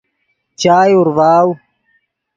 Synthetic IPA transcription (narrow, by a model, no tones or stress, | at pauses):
t͡ɕaːjuɾwaːw